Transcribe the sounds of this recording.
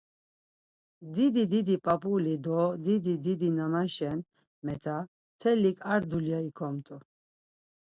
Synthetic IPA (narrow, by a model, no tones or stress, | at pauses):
d̪id̪id̪id̪ipʼapʼulid̪ɔd̪id̪id̪id̪inanaʃɛn | mɛt̪ʰa | t̪ʰɛlikʼaɾd̪uljaikʰɔmt̪ʼu